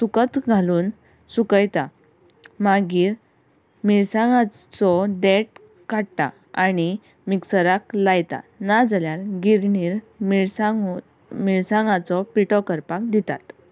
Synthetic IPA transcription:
sukət̪ɡʱaluːn | sukəjt̪a | maɡiːɾ | miɭsãŋɡat͡sɔd̪eʈ | kaɽt̪a̰ | aɽ̃i | miksəɾaklajt̪a̰nad͡zaljaɾɡiɾɳiːɾ | miɭa | miɭsãŋɡat͡sɔpiʈɔkəɾpak̚d̪it̪a̰t̪

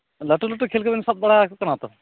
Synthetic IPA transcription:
ləʈuləʈːukʰeːlkəbensɐbɐɽakkɐnaːt̪o

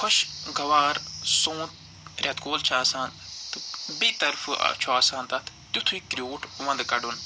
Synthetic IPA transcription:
kʰoʃɡɐʋaːɾsõːt̪̚ | ɾʲɐt̪koːlt͡ʃʰaːsaːnt̪ɨbiːt̪ɐɾfʰɨ̰t͡ʃʰuaːsãːnt̪ɐt̪ʰ | t̪ut̪ʰuikɾijoːʈʋɐ̃nd̪kɐɖun

